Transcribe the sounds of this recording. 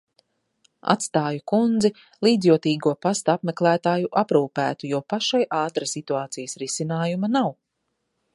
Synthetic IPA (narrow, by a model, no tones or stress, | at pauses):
a̰t̪st̪aːjukund̪zi | lˠiːd̪zjuɔt̪iːɡuɔpast̪apmɛklˠæːt̪aːjuʔapɾuːpæːt̪ujɔːpaʃajʔaːt̪ɾasit̪uaːt̪sijəsɾisinaːjumɐnaw